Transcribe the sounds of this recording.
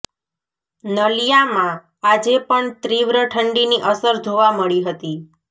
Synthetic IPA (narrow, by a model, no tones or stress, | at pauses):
nəlijamã | ad͡ʒepəɳt̪ɾiʋɾəʈʰəɳɖiniʔəsəɾd͡ʒʱoʋaməɭiɦət̪i